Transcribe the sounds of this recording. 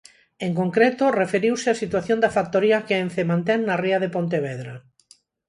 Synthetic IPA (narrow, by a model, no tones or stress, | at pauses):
eŋkoŋkɾet̪orefeɾiwsɪasit̪waθjond̪ɐfak̚t̪oɾiɐkeenθemãnt̪ɛŋnariɐðepont̪̬eβeðɾa